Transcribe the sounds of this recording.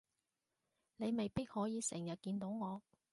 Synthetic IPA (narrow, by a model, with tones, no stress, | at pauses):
ne˨˧jme˨jpi˥k̚hɔː˨˥jiː˨˧sɪ˨˩ŋjɐ˨t̚kiː˧nt̪o˨˥wŋɔː˨˧